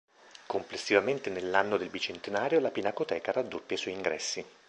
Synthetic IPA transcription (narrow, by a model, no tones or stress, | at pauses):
komplesːivament̪enelːanːod̪elbit͡ʃent̪enaːɾjolapinakot̪ɛːkarad̪ːopːjaisɔiŋɡɾɛ̰sːi